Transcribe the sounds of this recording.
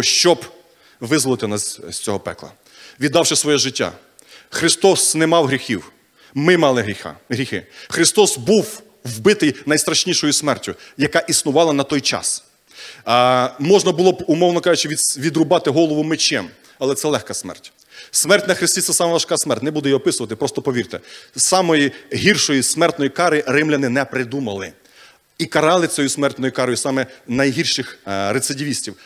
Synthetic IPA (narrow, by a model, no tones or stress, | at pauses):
ʃt͡ʃɔb | ʋɪzlˠɔt̪ɪnɑsʲsʲt͡sʲɔɦɔpɛ̰klˠɐ̰ | ʋʲid̪ːɑwʃɛsʋɔjɛʒɪtʲːa̰ | xɾɪst̪ɔsnɛmɑwɦɾʲixʲiw | mɪmɑlˠɪɦɾʲixa̰ɦɾʲixɪ̰xɾɪst̪ɔsbuw | wbɪt̪ɪjnɐjst̪ɾɐʃnʲiʃɔjʊsmɛrtʲʊjɐkɑʔisnʊʋɑlˠɐnɐt̪ɔjt͡ʃɑ̰s | mɔʒnɐbʊlˠɔbʊmɔwnɔkɑʒʊt͡ʃɪʋʲiʋʲid̪ɾʊbɑt̪ɪɦɔlˠɔʋʊmɪt͡ʃːɛm | ɐlˠɛt̪sɛlˠɛxkɐsmɛ̰rtʲ | smɛrtʲnɐxɾɪsʲtʲit̪ɛsɑmɐʋɐʃkɑsmɛrtʲnɛbud̪ɛjiɔpɪsʊʋɐt̪ɪpɾɔst̪ɔpɔʋʲirt̪ɛsɑmɔjiɦirʃɔjismɛrt̪nɔjikɑɾɪɾɪmlʲɐnɪnɛpɾɪd̪umɐlˠɪ | ikɐɾɑlˠɪt͡ssʲɔjusmɛrt̪nɔjʊkɑɾɔjʊsɑmɛnɐjɦirʃɪxɾet̪sɪdʲiʋʲisʲtʲiw